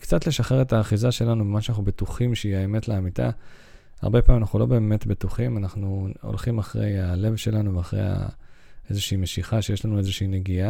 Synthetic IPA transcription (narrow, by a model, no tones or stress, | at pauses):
kt͡satle̞ʃaχe̞ʁetaːχizaʃe̞lanubemanʃanaχubetuχimʃeiaeme̞tleamita̰ | a̰ʁbepaimanaχulo̞be̞ːme̞tbetuχimanaχnuo̰lχimaχʁe̞̰jale̞vʃe̞lanuveaχʁḛja̰ | ezeʃeimeʃiχaʃejeʃlanue̞zeʃiine̞ɡia